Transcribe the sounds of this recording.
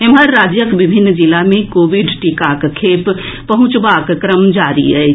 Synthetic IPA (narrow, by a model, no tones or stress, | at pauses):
emɦəɾːaːd͡ʒjəkʋɪbʱɪnːd͡ʒɪlamẽkoːʋiɖʈikakkʰeːp | pɐɦʊ̃t͡ʃʋaːkkɾəmd͡ʒaːɾḭɦɛ